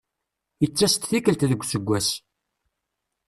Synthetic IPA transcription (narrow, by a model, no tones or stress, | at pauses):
jət͡sːæst̪θikəlt̪ðəɡʷsəɡʷːæs